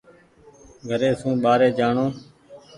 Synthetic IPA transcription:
ɡʱəɾeːsũːɓaːɾeːd͡ʒaːɳoː

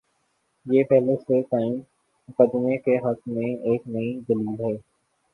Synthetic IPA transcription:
jeːpɛɦlesekaːɪ̃m | mʊkəd̪ɪmekeɦɐkmẽeːknɐid̪ɐliːlɦɛː

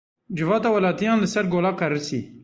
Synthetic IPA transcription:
d͡ʒɪvɑːt̪ɑːwɐlɑːt̪ijɑːnlɨsɛɾɡoːlɑːkɐɾɨsḭː

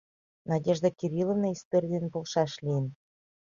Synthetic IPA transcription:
nɑdʲeʒd̪ekʲiɾʲilovnɑist̪oɾʲid̪enpolʃɑʃlʲijən

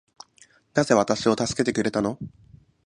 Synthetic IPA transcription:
naze̞β̞at̪aɕio̞t̪asɨ̥ke̞t̪e̞kɯ̟ɾe̞t̪ano̞

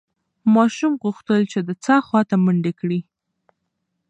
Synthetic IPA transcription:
mɑʃumɣuxt̪əlt͡ʃed̪ət͡sɑxwɑt̪aməɳɖekɽi

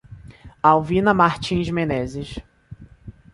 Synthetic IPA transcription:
awvĩnɐmaɾt͡ʃĩzmenɛzɪʃ

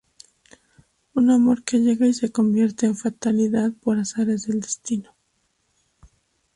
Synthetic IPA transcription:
unamo̞ɾke̞ʝe̞ɣaise̞ko̞mbje̞ɾt̪e̞ːɱfat̪aliðaðpo̞ɾasaɾezðe̞ld̪est̪ino̞

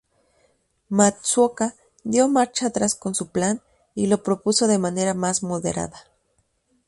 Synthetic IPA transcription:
maswoka | d̪jomaɾt͡ʃaːt̪ɾaskonsuplan | ilo̞pɾopusoðemaneɾamasmoðḛɾa̰ða

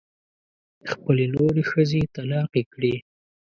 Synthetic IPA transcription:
xpəlenoɾexəzet̪alɑqekɽi

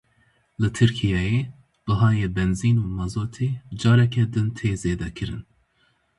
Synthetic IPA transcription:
lɨt̪ʰɨɾkʰijɛjeː | b̥ɨɦɑːjeːbɛnziːnuːmɑzoːt̪ʰeːd͡ʒɑːɾɛkʰʲɛd̪ɨnt̪ʰeːzeːd̪ɛkʰɨɾɨ̰n

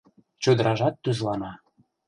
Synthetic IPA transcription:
t͡ɕød̪ə̆ɾɑʒɑt̪ːyzlɑnɑ

